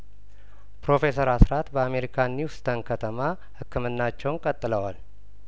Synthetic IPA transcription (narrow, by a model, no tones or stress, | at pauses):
pɾo̞fe̞səɾasɾat̪bəame̞ɾikʰaniwst̪ʰənkʰət̪ʰəma | hɨkːɨmɨnːat͡ʃːɛwnkʼət̪ʼːɨləwal